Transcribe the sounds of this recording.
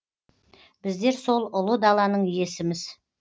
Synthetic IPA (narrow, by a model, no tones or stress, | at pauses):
b̥ɪzd̪e̞ɾso̞lˠʊlˠəd̪ɑlˠɑnəɴʏje̞sɪmɪz